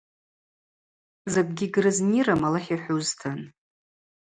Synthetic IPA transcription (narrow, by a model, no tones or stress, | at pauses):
zaɡ̚ʷʼɡʲiɡrɨzniramalaχʲaħʷᶣuztʰɨn